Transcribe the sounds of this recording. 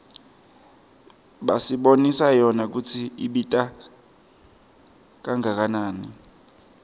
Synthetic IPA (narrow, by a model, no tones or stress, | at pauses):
ɓasiɓonisajɔnak̬ut͡sʰiiɓitʼa | k̬aŋak̬anaːni